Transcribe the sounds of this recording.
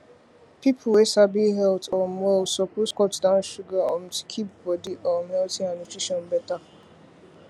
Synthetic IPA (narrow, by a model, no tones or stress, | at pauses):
pipʰʊwesabiɦɛltɔmwɛlsɔkuskɔtdan̩ʃuɡaɔm̩ti̥kʰipbɔdiʔɔm̩ɛltĩanott͡ʃɹiʃɔnbɛta